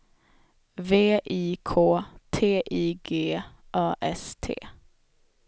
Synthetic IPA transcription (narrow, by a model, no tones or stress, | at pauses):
veːʔiːkʰoːt̪ʰeːʔiːɡeːʔɑːʔɛst̪ʰḛː